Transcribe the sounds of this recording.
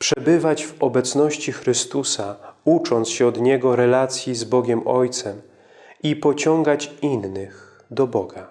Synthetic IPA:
pʂɛbɘvad͡ʑvɔbɛt̪snɔɕt͡ɕixɾɘst̪usaut͡ʂɔnt̪sɕɛɔd̪ɲɛɡɔɾɛlat̪sʲjizbɔɡʲɛmʔɔjt̪sɛm | ipɔt͡ɕɔŋɡat͡ɕinːɘx | d̪ɔbɔɡa

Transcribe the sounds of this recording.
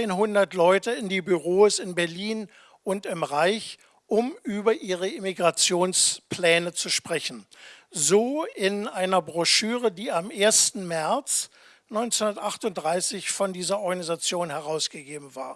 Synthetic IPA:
eːnɦʊndɐtlɔʏtəɪndiːbyʁoːsɪnbɛɐliːn | ʔʊntɪmʁaɪç | ʔʊmʔyːbɐʔiːʁ̞əemiɡʁat͡sjoːnspʰl̥ɛːnət͡suʃpʁ̥ɛçn̩zoːɪnʔaɪnɐbʁɔʃyːʁədiːamʔeːɐstn̩mɛɐt͡s | nɔʏnt͡senhʊndɐtʔaχtʊntd̥ʁaɪsɪçfɔndiːzɐɔɐɡanizat͡sjoːnhɛʁaʊsɡ̥əɡeːbm̩va̰ːɐ

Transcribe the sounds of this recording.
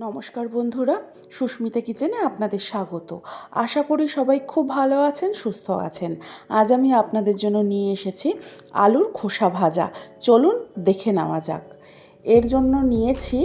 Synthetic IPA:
nɔmoʃkaɾbond̪ʱuɾa | ʃuʃmit̪ekit͡ɕeneapnad̪eɾʃaɡot̪o̰a̰ʃakoɾiʃɔbajkʰubʱaloat͡ɕʰenʃust̪ʰoa̰t͡ɕʰenad͡ʑamiapnad̪eɾd͡ʑonːonijeeʃet͡ɕʰia̰luɾkʰoʃabʱad͡ʑa̰t͡ɕolund̪ekʰena̰mad͡ʑa̰k | eɾd͡ʑonːonijet͡ɕʰi

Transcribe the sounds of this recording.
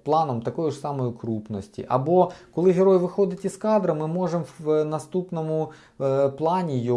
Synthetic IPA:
plˠɑnɔmt̪ɐkɔjʊʐsɑmɔjʊkɾupnɔsʲtʲḭʔɐbɔkɔlˠɪɦeɾɔjʋɪxɔd̪ɪtʲiskɑd̪ɾɐmɪmɔʐemʋnɐst̪upnɔmʊ | plˠɑnʲijɔ

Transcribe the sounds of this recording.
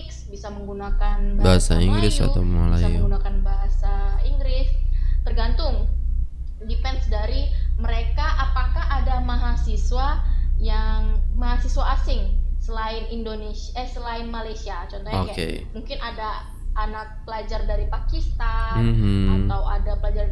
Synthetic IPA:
ɪksbisaməŋɡunakanbabaɦasa̰iŋɡɾɪsa̰a̰ma̰lasamuŋɡunakanbaɦasaiŋɡɾɪst̪ərɡant̪ʊŋ | dipɛnsdaɾiməɾekaʔapakahadamaɦasiswajaŋmaɦasiswaːsɪŋsəlaɪnindonesɛsəlaɪnmalajsiat͡ʃɔnt̪ɔɲakakḛmuŋkɪnada | anak̚pəlad͡ʒardaɾipakist̪anat̪awadapəlad͡ʒar

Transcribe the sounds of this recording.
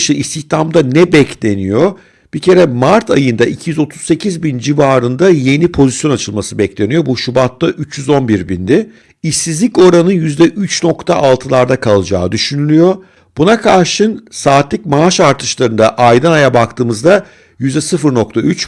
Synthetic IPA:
ʃɯist̪ʰiçt̪ʰamd̪anɛbɛcʰlʲe̞nijo̞ | b̥icʰe̞ɾɛmaɾt̪ʰajɯnd̪aʔicʰijyzo̞t̪ʰu̥zse̞cʰizbind͡ʒivaːɾɯnd̪aje̞nipʰo̞zisjo̞nat͡ʃʰɯlˠmasɯbɛclʲe̞nijo̞buʃubat̪lːˠaʔyt͡ʃjyzo̞nbiɾbind̪ɪ | isːizlʲico̞ɾanɯjyzd̪ɛʔyt͡ʃno̞kt̪ʰaʔalˠt̪ʰɯlˠaɾd̪akʰalˠɯd͡ʒa̰ːd̪yʃynylʲyjo̞ | b̥unakʰaɾʃɯnsaːt̪lʲic̚maaʃaɾt̪ʰɯʃlˠaɾɯnd̪aʔajd̪anajabakt̪ʰɯːmɯzd̪a | jyzd̪ɛsɯfɯɾno̞k̚t̪ʰayt͡ʃ

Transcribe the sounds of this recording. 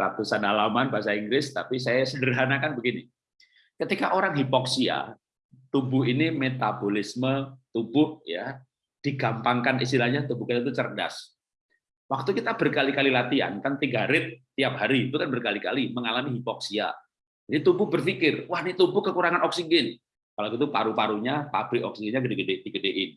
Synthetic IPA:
ɾa̰t̪usanalamanbaɦasaiŋɡɾɪst̪apisajasədərɦanakanbəɡini | kət̪ikaʔoɾaŋɦipɔksia̰ | t̪ubʊɦinimet̪abolɪsmət̪ubʊhja̰ | d̥iɡampaŋkanis̬t̪ilahɲat̪ubʊhkit̪at̪̬ut͡ʃərda̰s | wak̚t̪ukit̪ab̥ərkalikalilat̪ia̰nkant̪iŋɡaɾɪt̪̚ːiap̚ɦaɾiːt̪ukanbərkalika̰liməŋalamiɦipɔk̚sia̰ | d͡ʒadit̪ubʊhbərfikɪrwahnit̪ubʊhkəkuɾaŋanɔksiɡɛn | kalaɡit̪upa̰ɾupaɾuɲapabɾiʔɔk̚siɡɛnɲaɡədeɡəded̥iɡədeʔɪn

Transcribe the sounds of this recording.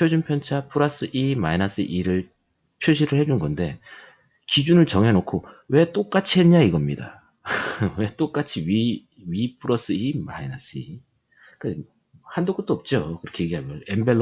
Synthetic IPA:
pʰjod͡ʑunpʰjʌnt͡ɕʰapʰɯɾas͈ɯʔimainas͈ɯ̰ʔiɾɯɭ | pʰjoɕ̬ʰiɾɯɭhed͡ʑunɡʌnde̞ | kid͡ʑunɯɭt͡ɕʌŋɦe̞nokʰowe̞t͈ok͈at͡ɕʰiɦe̞nɲaiɡʌmɲida̰ | we̞t͈ok͈at͡ɕʰiɥi | ɥipʰuɾʌs͈ɯima̰ina̰s͈ɯi | kɯ | handok͈ot͈̚oʌp̚t͡ɕ͈okɯɾʌkʰeje̞ɡiɦaɡʌembeɭː

